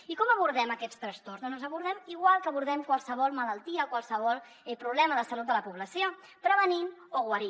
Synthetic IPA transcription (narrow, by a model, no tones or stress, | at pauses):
ikɔməβ̞uɾðɛməkɛst̪ɾəst̪orznonəzəβuɾð̞ɛmiɣwalˠkəβuɾð̞ɛmkwalˠsəβɔlˠmələlˠt̪iəkwalˠsəβ̞ɔlˠ | ɛpɾuβlɛməðəsəlut̪̚d̪ələpuβləsio | pɾəβ̞əninoɣwəɾi